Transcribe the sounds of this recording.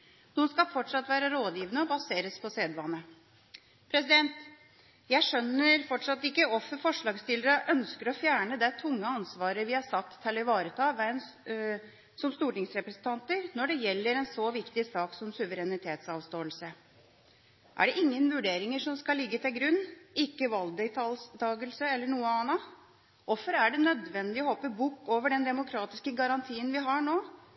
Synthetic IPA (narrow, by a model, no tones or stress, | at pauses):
nuːənskɑfɔʈʂɑt̪ːʋæːɾəɾoːd̪jiːʋənəɔbɑseːɾəspʰɔseːd̪ʋɑnːə | pʰɾɛsɪd̪ɛnt̪ | jæɪʂœnːəɾfɔʈʂɑt̪ːɪkːəɔfːəɾfɔʂɭɑːɡst̪ɪləɾəʔœnskəɾɔfjæːɳəd̪ɛt̪ʰʊŋːəɑnsʋɑːɾəʋɪhɑʂɑt̪ʰːɪlɔɪʋɑːɾət̪ʰɑːʋɛn | sɔmst̪uːʈɪŋsɾɛpɾɛsn̩t̪ʰɑnt̪əɾnɔɖɛjɛlːəɾɛnsɔʋɪkt̪ɪsɑːksɔmsʉʋəɾɛnɪt̪ʰeːt̪sɑːʋst̪oːəlsə | ʔæ̰ɖɛʔɪŋːənʋʉɖeːɾɪŋəʂɔmskɑlːɪɡːət̪ʰɪlɡɾʉnːɪkːəʋɑld̪ɛt̪ɑlst̪ʰɑːɡəlsəɛlːəɳuːəɑːnɑ | ʔɔfɔɾæɖɛnœd̪ʋɛnd̪ɪɔhɔpːəbuːkːoːʋəɖɛnd̪ɛmʊkʰɾɑːt̪ɪskəɡɑɾɑnt̪ʰiːənʋɪɦɑɳoː